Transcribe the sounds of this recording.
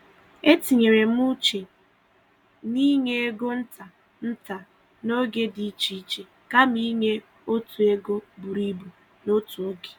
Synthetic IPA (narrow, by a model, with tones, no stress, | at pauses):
e˦ti˨ɲe˨ɾe˨m̩˦u˦t͡ʃe˨ | ni˦ŋe˦e˦ɡo˦n̩˦ta˨ | n̩˦ta˨ | no˦ɡe˦di˨˦t͡ʃi˨i˦t͡ʃe˨ | ka˦m̩i˦ŋe˦ | o˦tu˨e˦ɡo˦bu˨ɾi˦bu˨ | no˦tu˨o˦ɡe̥˨